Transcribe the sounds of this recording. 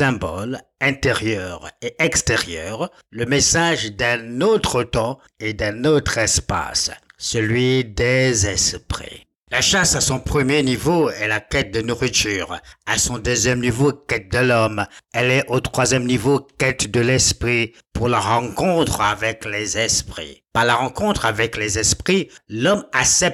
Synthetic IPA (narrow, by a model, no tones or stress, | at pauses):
sɛ̃bɔ̰lɛ̃t̪eʁjœʁeʔɛkst̪eʁjœʁ | ləmesaʒd̪ɛ̃not̪χət̪ɑ̃ | ed̪ɛ̃not̪χɛspa̰ssəlɥid̪ɛzɛspχḭ | laʃasasɔ̃pχəmjenivoɛlakɛt̪̚d̪ənuʁit̪yːʁasɔ̃d̪øzjɛmnivokɛt̪̚d̪əlɔmɛlɛʔot̪χwazjɛmnivokɛt̪d̪əlɛspχi | puʁlaʁɑ̃kɔ̃t̪χavɛklɛzɛspχḭpaʁlaʁɑ̃kɔ̃t̪χavɛklɛzɛspχilɔmasɛp̚